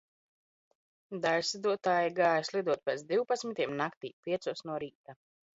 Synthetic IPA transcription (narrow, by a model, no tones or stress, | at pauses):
d̪ajsid̪uɔt̪aːjiɡaːjaslˠid̪uɔt̪̚pɛt̪d̪iwpat̪sʲmit̪iɛmnakt̪ḭːpʲiɛsuɔsnuɔɾiːt̪a